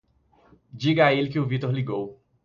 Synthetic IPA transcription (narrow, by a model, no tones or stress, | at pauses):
d͡ʒiɡɐaelɪkɪʊvit̪oɾliɡow